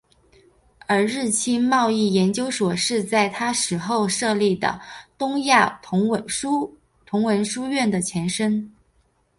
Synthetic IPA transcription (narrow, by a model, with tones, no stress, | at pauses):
ə˞˧˥ɻɻ̩˥˩t͡ɕʰi˥nmɑ˥˧ʊi˥˩jɛ˧˥nt͡ɕjo˥ʊʂwɔ˨˩ʂɻ̩˥˧t͡sa˥˩ɪt̪ʰa˥ʂɻ̩˧˥xo˥˧ʊʂɤ˥˧li˥˩d̪ə̰˩t̪ʊ˥ŋja˥˩ʊ˧˥wə˧˩u˥ | t̪ʰʊ˧˥ŋwə˧˥nʂu˥ɥɛ˥˩nd̪ə˩t͡ɕʰjɛ˧˥nʂə˥n